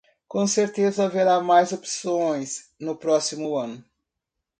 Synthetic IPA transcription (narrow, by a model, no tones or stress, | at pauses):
kõseɾt̪ezɐaveɾamajzopsõj̃s | nʊpɾɔsimʊɐ̃nʊ